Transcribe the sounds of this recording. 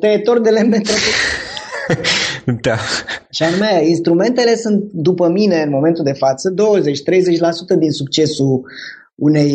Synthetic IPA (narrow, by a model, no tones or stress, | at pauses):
t̪eːt̪ord̪elemet̪ɾop̪u | d̪aʃianumeinst̪ɾume̞nt̪e̞le̞sunt̪̚d̪upəmine̞ɨnmo̞me̞nt̪uld̪e̞fat̪səd̪o̞wəze̞t͡ʃt̪ɾe̞jze̞t͡ʃʲlasut̪əd̪insuk̚t͡ʃe̞suː | ne̞j